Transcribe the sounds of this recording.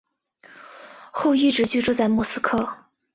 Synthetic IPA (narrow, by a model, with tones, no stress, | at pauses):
xo˥˧ʊi˥˩ʈ͡ʂɻ̩˧˥t͡ɕy˥˧˥ʈ͡ʂu˥˧t͡sa˥˧ɪmwɔ˥˩sɹ̩˥kʰɤ˥˩